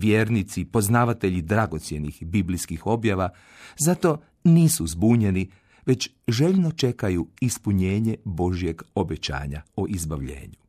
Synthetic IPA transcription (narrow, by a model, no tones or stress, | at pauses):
ʋjeːɾnit̪sipo̞znaːʋat̪e̞ʎid̪ɾaɡo̞t̪sje̞nixbibliskixo̞bjaʋa | zat̪o̞ | niːsuzbuːɲe̞ni | ʋe̞t͡ɕ | ʒe̞ʎno̞t͡ʃe̞kajuispuɲe̞ːɲe̞bo̞ʒije̞ɡo̞bet͡ɕa̰ːɲa̰oʔizbaʋʎḛːɲu